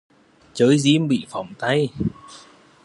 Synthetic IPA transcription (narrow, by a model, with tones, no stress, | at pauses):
t͡ɕəː˨˦jzi˧əmɓḭ˧˨fa˨˧˩wŋ͡mt̪a˧j